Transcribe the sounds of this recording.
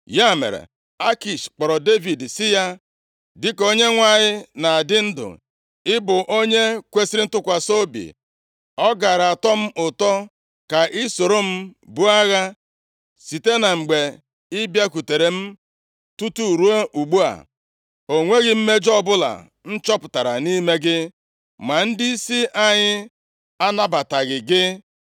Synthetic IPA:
ja˦˨mḛ˨ɾḛ˨ | a˦ki˨ʃk͡pɔ˨ɾɔ˨de˦vi˨dsɪ˦ja˦ | dɪ˦ko˦ɲe˦ŋʷa˦˨ɲɪ˦na˨a˨dɪ˦n̩˦dʊ̰˨ | ɪ˦bʊ˨ʔo˦ɲe˦kʷe˦si˦ɾi˦n̩˦tʊ˦kʷa˨so˦bḭ˨ | ɔ˦ɡa˨ɾa˨tɔ˦m̩˦ʔʊ˨tɔ˦ | ka˨ʔɪ˦so˨ɾo˦m̩˦bʊ˦a˦ɣa˦ | si˨te˦na˨ŋ͡m̩˨ɡ͡be˨ | ɪ˦bja˦ku˨te˨ɾe˨m̩˦ | tu˦tu˦˨ɾu˦a˦ʔu˨ɡ͡bu˦a̰˨ | o˨ŋʷe˦ɣɪ˦m̩˦me˦d͡ʒɔ˦bʊ˦la̰˨ | n̩˦t͡ʃɔ˦pʊ˨ta˨ɾa̰˨ni˦me˦ɡɪ˦ | ma˨n̩˦dɪ˦i˦si˦ʔa˦ɲɪ˦ | a˦na˦ba˨ta˨ɡɪ˨ɡɪ˦

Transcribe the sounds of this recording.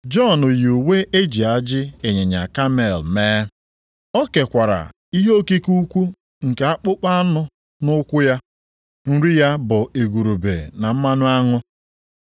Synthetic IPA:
d͡ʒɔ˦˨no˨jo˨we˦ʔe˦d͡ʒi˨a˦d͡ʒɪ˦e˨ɲe˨ɲa̰˨ka˦me˨lmeː˦ | ɔ˦ke˨kʷa˨ɾa̰˨ | i˦ɦo˦ki˦ku˦kʷu˦ | ŋ̩˨ka˦k͡pʊ˦k͡pa˦a˦nʊ˦ | nʊ˦kʷʊ˦ja˦ | n̩˦ɾi˦ja˦bʊ˨e˨ɡʷu˨ɾu˨bḛ˨na˨m̩˦ma˦nʊ˦a˦ŋʊ˦

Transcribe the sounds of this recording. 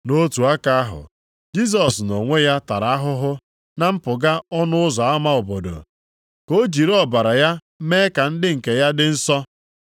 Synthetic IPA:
no˦tu˨a˦ka˦a˦ɦʊ̰˨ | d͡ʒi˦s̬ɔ˨sno˨ŋʷe˦ja˦ta˨ɾa˨a˦ɦʊ˦ɦʊ˦ | na˦m̩˦pʊ˨ɡa˦ɔ˦nʊ˦ʊ˦zɔ˨a˦ma˦ʊ˨bo˨do̰˨ | ko˦d͡ʒi˨ɾɔ˦ba˨ɾa˨ja˦ | me˦ka˨n̩˦dɪ˦ŋ̩˨ke˨ja˦dɪ˦n̩˦sɔ˦

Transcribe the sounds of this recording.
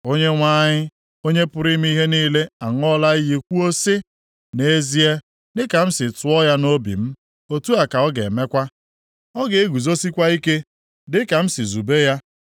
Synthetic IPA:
o˦ɲe˦ŋʷaː˦ɲɪ˦ | o˦ɲe˦pʊ˦ɾi˦m̩˦i˦ɦe˦niː˦le˦a˨ŋ˦ɔ˦la˦i˦ɣi˦kʷu˦o˦sɪ˦ | ne˦zi˦e˦ | dɪ˦ka˨m̩˦sɪ˨tʊ˨ɔ˦ja˦no˦bḭ˨m̩˦ | o˦tu˦a˨ka˨ɔ˦ɡḛ˨me˦kʷa˦ | ɔ˦ɡe˨e˦ɡu˨zo˦si˦kʷa˦i˦ke˦ | dɪ˦ka˨m̩˦sɪ˨zu˨be˦ja˦

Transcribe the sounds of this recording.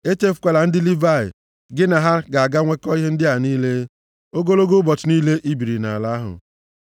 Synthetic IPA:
e˦te˦fʊ̥˨˦kʷe˨la˨n̩˦dɪ˦li˦va˦˨ɪ̰˨ | ɡɪ˦na˨ɦa˦ɡa˨a˨ɡa˦ŋʷe˦kɔ˦i˦ɦe˦n̩˦dɪ˦a˨niː˦le˦ | o˦ɡo˦lo˦ɡo˦bɔ˨tʊ˨niː˦le˦ʔi˦bi˨ɾi˨na̰˨a˨la˦ɦʊ̰˨

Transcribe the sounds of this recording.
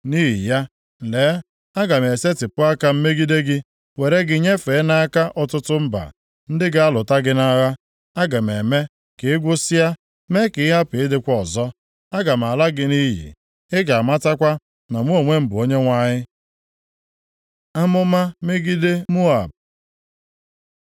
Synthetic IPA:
niː˦ɦi˨ja˦ | n̩˨le˨˦ | a˦ɡa˨m˨e˨se˦tɪ˨pʊ˦a˦ka˦m̩˦me˦ɡi˦de˦ɡɪ˦ | we˨ɾe˦ɡɪ˨˦ɲe˦fe˨˦na˦ka˦ʔɔ˨tʊ˦tʊ˦m̩˦ba̰˨ | n̩˦dɪ˦ɡɪ˦a˦lʊ˨ta˦ɡɪ˦na˦ɣa˦ | a˦ɡa˨m˨e˨me˦ | ke˨ɪ˦ɡʷʊ˦si˦a˦ | me˦kɪ˨˦ɪ˦ɦa˦pɪ˨ɪ˦dɪ˦kʷɔ˦˨zɔ˦ | a˦ɡa˨m˨a˨la˦ɡɪ˦ni˦jḭ˨ | ɪ˦ɡa˨a˨ma˦ta˦kʷa˦ | na˨mu˦o˨ŋʷe˦m̩˦bʊ˨o˦ɲe˦ŋʷa˦ɲɪ˦ | a˦mʊ˦ma˦me˦ɡi˦de˦mu˦a̰˨b̚

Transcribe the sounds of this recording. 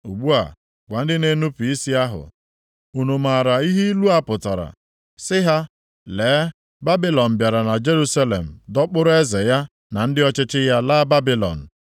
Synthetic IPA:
u˨ɡ͡bu˦a̰˨ | kʷa˨n̩˦dɪ˦ne˨nu˦pi˨i˦si˦a˦ɦʊ̰˨ | u˨nu˨ma˨ɾa˨i˦ɦi˦i˦lu˦a˦pʊ˨ta˨ɾa̰˨ | sɪ˦ɦa˦ | leː˨˦ | ba˦bi˦lɔ˨n̩˨bja˨ɾa˨na˨d͡ʒe˦ɾu˦sa˦lḛ˨m̩˨dɔ˦k͡pʊ˦ɾʊ˦e˦ze˨ja˦ | na˨n̩˦dɪ˦ɔ˦t͡ʃɪ˦t͡ʃɪ˦ja˦la˦ba˦bi˦lɔ̰˨n̩˨

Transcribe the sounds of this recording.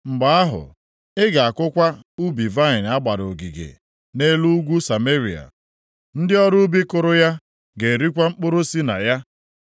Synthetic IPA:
ŋ͡m̩˨ɡ͡ba˨a˦ɦʊ̰˨ | ɪ˦ɡa˨a˨kʊ˦kʷa˦u˦bi˨va˦ɪ˨na˦ɡ͡ba˨ɾo˨ɡi˨ɡḛ˨ | ne˦lu˦ɡʷu˦sa˨me˦ɾi˨a̰˨ | n̩˦dɪ˦ɔ˦ɾu˦bi˦kʊ˨ɾʊ˦ja˦ | ɡe˨ɾi˦kʷa˦ŋ͡m̩˦k͡pʊ˦ɾo˦si˦na̰˨ja˦

